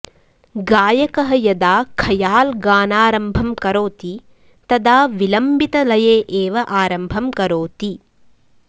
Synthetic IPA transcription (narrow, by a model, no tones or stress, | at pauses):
ɡaːjɐkɐɦɐjɐd̪aːkʰɐjaːlɡaːnaːɾɐmbʱɐmkɐɾoːt̪i | t̪ɐd̪aːʋilɐmbit̪ɐlɐjeːʔeːʋɐʔaːɾɐmbʱɐmkɐɾoːt̪i